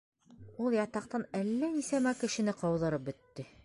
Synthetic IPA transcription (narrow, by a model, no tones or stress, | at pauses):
ulˠjɑt̪ɑq̚t̪ɑnælːænisæmækɘ̆ʃɘ̆nɘqɑwðɤ̆ɾɤp̚bɵ̆t̪ːɘ